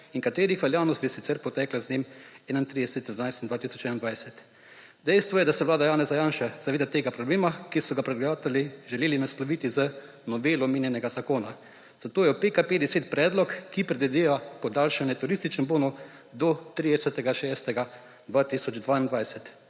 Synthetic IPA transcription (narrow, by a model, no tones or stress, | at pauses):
iŋkat̪eːɾixʋɛljaːwnɔst̪bisit̪sɛɾpɔt̪ɛːklaznemɛːnant̪ɾid̪ɛsɛt̪d̪anajst̪ind̪ʋaːt̪isɔt͡ʃɛːnnd̪ʋajsɛt̪ | d̪ɛjst̪ʋɔjɛd̪asɛʋlaːd̪ajaːnɛzajaːnʃaz̥aʋeːd̪at̪eːɡapɾɔbleːmakisɔɡapɾɛd̪ɡjaːt̪ɛliʒɛleːlinaslɔʋiːt̪izə | nɔʋeːlɔmeːnjɛnɛɡazakoːna | z̥at̪oːjɛupekapeːd̪ɛseːt̪pɾɛːd̪lɔkːipɾɛd̪ɛd̪eʋapɔd̪alʃanjɛt̪uɾist̪it͡ʃnɛmboːnu | d̪ɔt̪ɾid̪ɛsɛt̪ɛɡaʃɛːst̪ɛɡa | d̪ʋaːt̪isɔd͡ʒd̪ʋannd̪ʋajsɛt̪